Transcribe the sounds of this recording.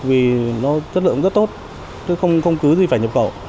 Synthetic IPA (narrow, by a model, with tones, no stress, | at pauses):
vi˨˩nɔ˨˦zə˦˥t̚lɨ̰˧˨əŋ͡mzə˦˥t̚t̪o˦˥t̚ | t͡ɕe˨˦xə˧wŋ͡mxə˧wŋ͡mkɨ˨˦zi˨˩faː˧˩jɲə˨˩p̚xə̰˧˨